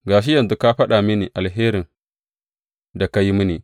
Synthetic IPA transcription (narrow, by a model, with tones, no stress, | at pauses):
ɡa˨ʃ̬i˦ja˨nzu˨˦ka˦ɸa˦ɗa˨mi˦ni˨ʔa˨lɦeː˦ɾi˨n | da˨ka˦ji˦mi˦ni˨